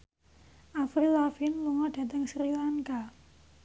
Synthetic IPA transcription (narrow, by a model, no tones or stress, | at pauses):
ʔafɾilafinluŋɔɖ̥a̤t̪əŋsɾilaŋka